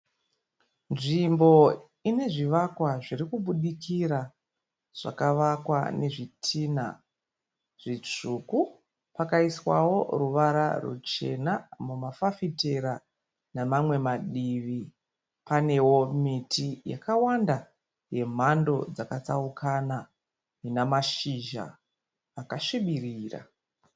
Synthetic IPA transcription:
nʐimbo̞ | ine̞ʐiʋakwaʐiɾikuɓuɗikiɾa | ʐ̥a̰kaʋakwa̰ne̞ʐitʰiːna̰ | ʐ̥it͡ʂuku | pakaiswawo̞ruʋaɾa̰rṵt͡ʃe̞̰namumafafite̞ɾa | namamwe̞maɗiʋi | pane̞wo̞mitija̰kawanda | je̞m̤ando̞d͡zakat͡saukʰana | inamaʃiʒa̰ː | kaʃiɓiriːra̰

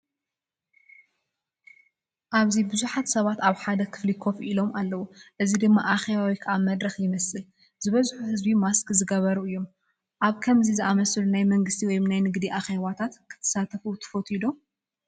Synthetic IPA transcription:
ʔaβzibɨzuħat̪sɐβat̪aβħad̪ɐkʰɨ̥flikʰo̞fʔilo̞mʔalːɐwuʔɨzid̪ɨmːaʔaxe̞βawikʰɐʔamɐd̪ɾɐxjɪmɐsɨl | zɨβɐzħuhɨzbimaskzɨɡɐβɐɾuɨjːo̞m | ʔaβkʰɐmzizɨʔamɐslunajmɐŋɡɨst̪ʰiwɔjmnajnɨɡd̪iʔaxeβat̪ʰat̪kʰɨ̥t̪ʰɐ̥sat̪ʰɐfut̪ʰɐ̥fot̪ʰid̪o̞

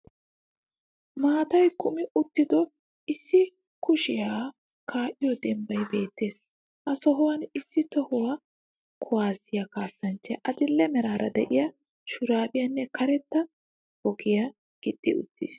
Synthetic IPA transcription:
maːt̪ɐjkʊmɪʊt̪ːɪd̪ɔ | ɪsːɪ | kʊʃɪja | kʰaːʔɪjɔd̪ɛmbɐjbe̞ːt̪ːe̞ːs | ʔɐsɔɦɔwɐnɪsːɪt̪ɔhɔwɐ | kʰʊwaːsɪjɐkaːsːɐnt͡ʃːɛʔɐd̪ɪlːɛmɛɾaːɾɐd̪ɛ̰ʔɪjɐ | ʃʊɾaːbɪjɐnːɛkʰɐɾɛt̪ːɐ | hɔɡɪjɐ | ɡ̥ɪdʼːɪʊ̰t̪ːḭs

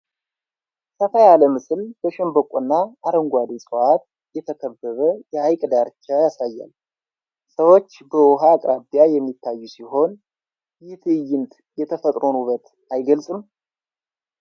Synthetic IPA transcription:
səfajaləmɨsɨlb̥əʃɛmbəkʷʼunːaaɾəŋɡʷad̪esʼoʔat̪̚ | jɛt̪ʰəkʰəbːəβəjɛajkʼd̪aɾt͡ʃːajasajːa̰l | səwo̞t͡ʃːbəwɔɦaːkʼɾabijajɛmːit̪ʰːajːusiho̞n | jɪt̪ʰɨjːɪnt̪ | jɛt̪ʰəfət̪ʼɾo̞nuβət̪ | ajɡəlsʼɨm

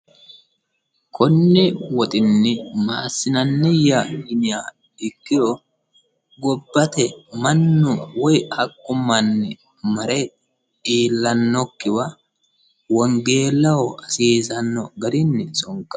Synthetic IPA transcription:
kʰɔnːɪwɔt̪ʼɪnːɪmaːsːɪnɐnːɪjanɪja | ɪkːɪjɔ | ɡɔbːɐt̪ɛmɐnːʊwɔjhɐkʼːʊmːɐnːɪ | mɐɾɛ | iːlːɐnːɔkːɪwɐ | wɔŋɡe̞ːlːɐwɔɐsiːzɐnːɔɡɐɾɪnːɪsʼɔŋkːɐ̥

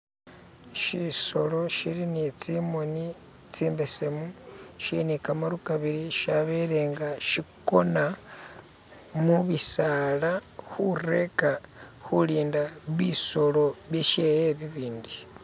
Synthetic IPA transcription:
ʃiso̞lo̞ʃilinit͡simoni | t͡siːmbesemuʃinikamaɾukaβiɾiʃaβeɾeːŋɡaʃiko̞na | muβisalaxure̞ka | xuliːndaβiso̞lo̞βjeʃejeβiβiːndi

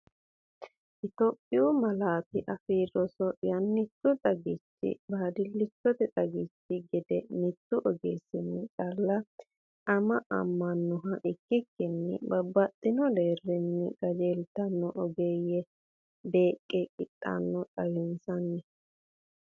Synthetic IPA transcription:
ʔɪt̪opʼːɪjumɐlaːt̪ɪʔɐfiːɾɔsɔjɐnːɪt̪ːʊt̪ʼɐɡɪt͡ʃːɪ̰baːd̪ɪlːɪt͡ʃːɔt̪ɛt̪ʼɐɡɪt͡ʃːɪɡɪd̪ɛnɪt̪ːʊʔɔɡeːsɪnːɪkʼɐlːɐ | ʔɐmɐʔɐ̰mːɐnːɔɦɐʔɪkːɪkːɪnːɪ̰bɐbːɐt̪ʼːɪnɔd̪e̞ːrːɪnːɪ̰ɡ̥ɐd͡ʒeːlt̪ɐnːɔʔɔɡejɛ | be̞ːkʼːɛkʼɪt̪ʼːa̰nːɔtʼɐjɪnsɐnːɛ

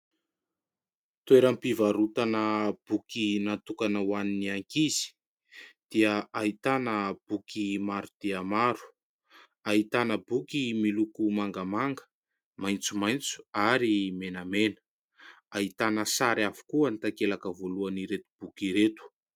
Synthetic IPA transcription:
t̪ueɾampivaɾut̪anəb̥ukinat̪ukanəwaniniaŋkizi̥ | d̪̥iəait̪anəb̥ukimaɾud̪̥eamaɾu̥ | ait̪anəbukimilukumaŋɡamaŋɡə̥ | majnt͡sumajnt͡su̥aɾimenamenə̥ | ait̪anəsaɾavu̥kuənit̪akelakəvoluaniɾet̪u̥b̥ukiɾet̪u̥

